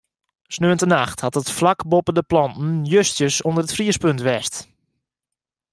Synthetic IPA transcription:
snøəntənaxthatətflakbopəndəplɑntn̩jøstjəsondərətfriəspøntʋɛst

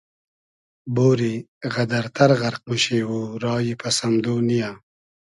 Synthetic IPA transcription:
boːɾiɣad̪aɾt̪ʰaɾɣaɾq̚muʃeːwuɾɑːjipasamd̪oːnija

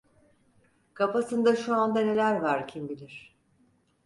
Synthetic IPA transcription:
kʰapasɯnd̪aʃuand̪ane̞lʲæɾvaɾcʰimbilʲiɾ̥

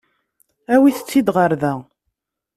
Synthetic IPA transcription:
æwiθə̥t͡sːid̪ʁəɾðæ

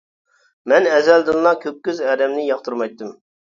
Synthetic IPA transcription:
mɛnɛzɛld̪ɨnlˠɑkʲʰøp̚kʲːyzɛːɾɛmnɪjɑχt̪ʰuɾmɑjt̪ːɨm

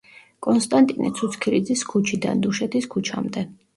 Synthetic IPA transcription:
kʼɔnst̪ʼant̪ʼinɛ̰t̪sʰut̪sʰkʰiɾid̪ziskʰut͡ʃʰid̪a̰nd̪uʃɛt̪ʰiskʰut͡ʃʰa̰md̪ɛ

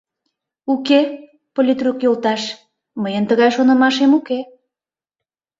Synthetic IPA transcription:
uke | polʲit̪rukjolt̪ɑʃ | məjənt̪əɣɑjʃonə̆mɑʃemuke

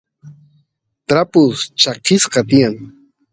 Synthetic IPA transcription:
t̪ɾapʊst͡ʃɑqɪsqɑt̪̬ɪjaŋ

